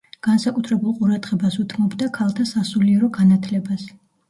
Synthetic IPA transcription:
ɡ̥ansakʼut̪ʰɾɛbulˠqʼuɾad̪ʁɛbasut̪ʰmɔbd̪akʰalˠt̪ʰasasuliɛɾɔɡanat̪ʰlɛbas

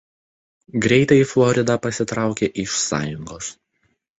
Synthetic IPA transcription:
ɡɾʲɛɪt̪ɐɪflˠɔɾʲɪd̪ɑpɐsʲɪt̪ɾɑˑʊkʲeːʔɪʃsɑ̰ːjʊŋɡoːs

